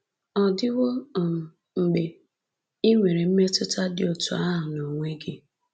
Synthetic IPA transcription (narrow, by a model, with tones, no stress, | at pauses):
ɔ˨dɪ˦wo˦˨m̩˨ | ŋ͡m̩˨ɡ͡be˨ | i˦ŋʷe˨ɾe˨m̩˦me˦tʊ˦ta˦dɪ˦o˨tu˨a˦ɦa˨no˨ŋʷe˦ɡɪ˦